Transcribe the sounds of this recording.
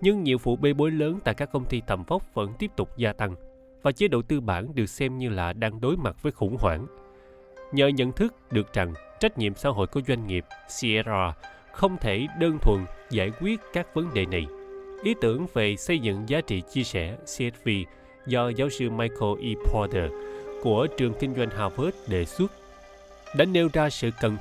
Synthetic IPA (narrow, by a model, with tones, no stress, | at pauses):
ɲɨ˧ŋɲḭ˧˨əwfṵ˧˩ɓe˧˩ɓo˨˦jləː˨˦nt̪a̰ː˧˨jkaː˦˥kːə˧wŋ͡mt̪i˧t̪ʰə˨˩mfə˦˥wk͡p̚və̰˧˥nt̪i˦˥əp̚t̪ʊ˨˩k͡p̚zaː˧t̪a˧ŋ | vaː˨˩t͡ɕe˨˦ɗo̰˧˨t̪ɨ˧ɓaː˧˩nɗɨ˨˩ək̚sɛ˧mɲɨ˧laː˨˩ɗaː˧ŋɗo˨˦jma˨˩t̚v̥əː˨˦jxʊ̰˧˥ŋ͡mhwaː˧˩ŋ | ɲə̰ː˨˩ɲə̰˧˨nt̪ʰɨ˦˥k̚ɗɨ˨˩ək̚t͡ɕa˨˩ŋ | t͡ɕa˦˥k̟̚ɲḭ˧˨əmsa̰ː˧˥ɦo̰˧˨jku˧˩əzwa˧jŋ̟ŋi˨˩əp̚si˧ɛ˧a˧ | xə˧wŋ͡mt̪ʰe˧˩ɗəː˧nt̪ʰwə̰˧˨nzaː˧˩jkwi˦˥ət̚kaː˦˥k̚və˨˦nɗḛ˨˩na˨˩jʔi˨˦t̪ɨ˧˩əŋve˨˩sə˧jzɨ̰˧˨ŋzaː˨˦t͡ɕḭ˧˨t͡ɕi˧əsɛ˧˩si˧ɛ˦˥t̚vi˧ | zɔ˧zaː˨˦wsɨ˧maː˧jko˧ʔi˧pʰɔ˧t̪ə˧˩ku˧˩ət͡ɕɨ˨˩əŋkï˧ŋ̟zwa˧jŋ̟ɦaː˧˩vəː˦˥t̚ɗe˧˩swu˦˥ət̚ | ɗaː˧˥ne˧wzaː˧sɨ̰˧˨kə˨˩n